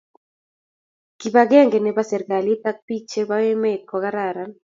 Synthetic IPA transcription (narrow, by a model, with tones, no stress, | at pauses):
ki˨ba˨ɡɛ˦ŋɡɛ˨nɛ˨ba˦sɛ˨ɾɡa˨li˦t̪a˦k̚pi˦t͡ʃe˦ba˦wɪ˦met̚kɔ˨ka˦ɾa˨ɾa˦n